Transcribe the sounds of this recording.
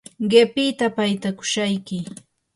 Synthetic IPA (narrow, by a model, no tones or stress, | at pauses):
ɢepɪt̪apajt̪akʊ̥ʃajkɪ